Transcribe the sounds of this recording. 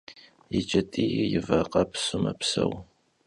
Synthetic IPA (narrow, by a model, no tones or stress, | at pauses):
jɪt͡ʃʼɐtʼijjɪvɐqɑpsʊmɐpsɐw